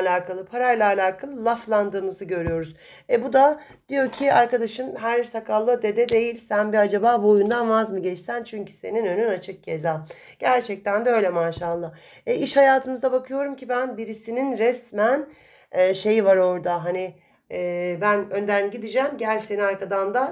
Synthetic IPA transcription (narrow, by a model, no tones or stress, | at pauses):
alʲaːkʰalˠɯpʰaɾajlˠaːlʲaːkʰalˠɯlˠaflˠand̪ɯːnɯzɯɟø̞ɾyjo̞ɾuz | ɛbud̪a | d̪̥ijo̞cʰiʔaɾkad̪aʃɯnɦæɾsakʰalˠːɯd̪e̞d̪ɛd̪e̞jilʲsænbiad͡ʒabaːbuojund̪anvazmɯɟɛt͡ʃsænt͡ʃʰyɲcʰy̥se̞ninønynat͡ʃʰɯk̚ɟezaːɟ̥æɾt͡ʃʰɛc̚t̪ʰænd̪ɛø̞jlʲɛmaʃaːlˠːa | ɛiʃhajaːt̪ʰɯnɯzd̪abakʰɯjo̞ɾumcʰibænbiɾisininɾɛsmæn | ɛːʃe̞jvaɾo̞ɾd̪aɦaniː | bænø̞nd̪ænɟid̪id͡ʒæmɟælʲseniaɾkad̪and̪a